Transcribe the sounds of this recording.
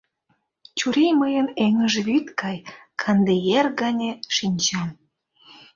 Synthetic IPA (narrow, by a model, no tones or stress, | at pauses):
t͡ɕuɾejməjəneŋəʒeβyt̪kɑjkʰɑnd̪ejerɡɑnʲeʃinʲt͡ɕɑm